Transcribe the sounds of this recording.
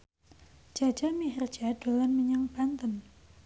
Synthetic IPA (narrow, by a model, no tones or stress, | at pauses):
d͡ʒ̥a̤̥d͡ʒ̥amiɦər̥d͡ʒ̥ad̥o̤lanmiɲaŋb̥ant̪ən